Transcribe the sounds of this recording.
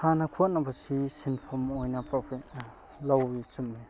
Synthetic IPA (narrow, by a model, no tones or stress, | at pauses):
hanɐkʰot̚nɐbɐsisinpʰomojnɐpɾopʰit̚ | lawisumːi